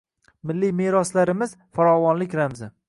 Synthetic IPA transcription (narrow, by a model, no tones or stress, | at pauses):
mɪlːimeɾɒslaɾɪmɪz | faɾɒvɒnlɪkʲɾamzɪ